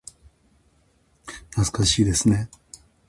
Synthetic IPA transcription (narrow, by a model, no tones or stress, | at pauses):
nat͡sɨ̥kaɕiːd̪e̞sɨne̞